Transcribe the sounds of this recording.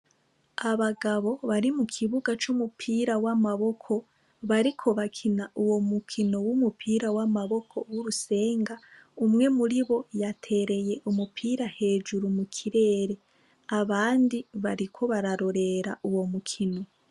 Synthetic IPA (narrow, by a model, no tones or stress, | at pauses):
aβaɡaβo̞βaɾimukʰiβuɡat͡ʃumupʰiːɾawamaβo̞kʰo̞ | βaɾikʰo̞βakʰinauwo̞mukʰino̞wumupʰiːɾawamaβo̞kʰo̞wuɾuse̞ːŋɡa | umŋe̞muɾiβo̞jatʰe̞ːɾe̞je̞ʔumupʰiːɾahe̞ːd͡ʒuɾumukʰiɾe̞ːɾe̞ | aβaːndiβaɾikʰo̞βaɾaɾo̞ɾe̞ɾaʔuwo̞mukʰino̞